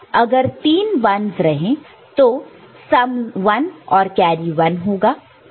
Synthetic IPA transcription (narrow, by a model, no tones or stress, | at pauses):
ɐɡəɾt̪iːnʋɐnzɾɐɦẽ | t̪o | sɐmʋɐnɔːɾkjɛːɾiʋɐnɦoːɡaː